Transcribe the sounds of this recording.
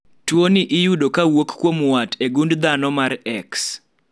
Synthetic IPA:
twoniʔɪjudokawokkːwomwateɡundd̪anɔmaɾɛks

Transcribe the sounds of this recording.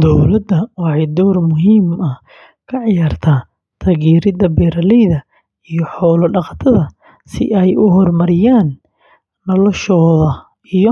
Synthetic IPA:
d̪ɔwlɐd̪ɐwɑħɑjd̪ɔːrmʊɦiːmɐ | kʰɐʕɪjaːrt̪ʰaː | t̪ʰɐːɣiːɾɪd̪ɐbɛːɾɐlɛjðɐ | ijɔħɔːlɐɖɑqɑt̪ʰɐðɐ | sɪ̰ʔɛjʊɦɔrmɐɾɪjaːnː | ɔlɔʃɔːðɐ | ijɔ

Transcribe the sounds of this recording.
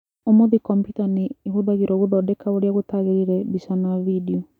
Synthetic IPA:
omoðikɔmpiutaniːɦuðaɣiɾɔβuðɔdɛkaoɾjaɣotaɣeɾiɾɛbisanavidiɔ

